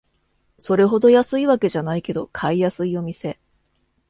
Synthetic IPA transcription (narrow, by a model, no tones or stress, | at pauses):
so̞ɾe̞ɦo̞d̪o̞jasɨiβake̞ʑanaike̞d̪o̞kʰaijasɨio̞mʲise̞